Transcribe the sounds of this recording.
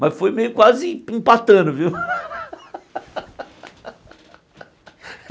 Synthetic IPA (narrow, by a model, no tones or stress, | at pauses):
mɐsfojmejʊkwazɪĩpat̪ɐ̃nʊviw